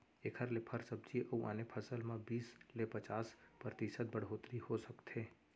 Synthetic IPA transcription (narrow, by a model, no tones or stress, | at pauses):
ekʰəɾlepʰəɾsəb̚d͡ʒiʔəuʔa̰ːnepʰəsəlmãbiːslepɐt͡ʃaːspɾət̪iʃət̪̚bɐɽɦoːt̪ɾihosɐkt̪ʰeː